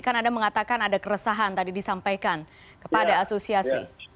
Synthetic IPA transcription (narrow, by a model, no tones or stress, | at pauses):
kanadaməŋat̪akanadakəɾəsaɦant̪adidisampajkan | kə̥padaːsosiasḭ